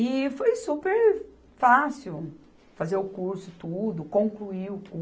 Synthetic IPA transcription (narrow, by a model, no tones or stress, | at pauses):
ɪfojsupeɾ | fasiw | fazeɾʊkuɾsʊt̪ud̪ʊkõŋkluiʊku